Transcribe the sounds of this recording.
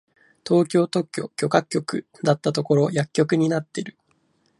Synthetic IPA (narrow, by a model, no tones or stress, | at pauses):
t̪o̞ːkʲo̞ːt̪o̞kʲːokʲo̞kakʲːo̞kɯ̟ | d̪at̪ːat̪o̞ko̞ɾo̞jakʲːo̞kɯ̟ɲ̟inat̪ːe̞ɾɯ̟